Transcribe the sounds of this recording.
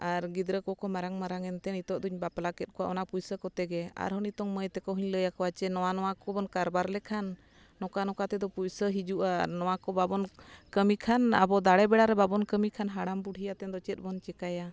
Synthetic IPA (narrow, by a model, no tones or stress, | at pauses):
aɾɡid̪ɾəkɔkɔmaɾaŋmaɾaŋɛnt̪ɛnit̪ɔʔ̚d̪uɲbapalakɛt̪̚kʰɔwaʔɔnapujsəkɔt̪ɛɡɛa̰ɾɦɔnit̪ɔŋməjt̪ɛkɔɦuɲləjakɔwat͡ʃɛnɔwanɔwakɔbɔnkaɾbaɾlɛkʰanː | ɔkanɔkat̪ɛd̪ɔpujsəɦid͡ʒuʔanɔwakɔbabɔnkəmikʰana̰bɔd̪aɽɛbɛɽaɾɛbabɔnkəmikʰanɦaɽambuɽʱijat̪ɛnd̪ɔt͡ʃɛt̪̚ˀbɔnt͡ʃɛkaja